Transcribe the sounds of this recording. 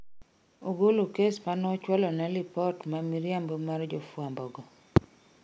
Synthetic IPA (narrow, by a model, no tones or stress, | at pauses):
oɡolokesmanɔt͡ʃwɔlɔnɛlipɔtmamiɾjambomard͡ʒofwambɔɡɔ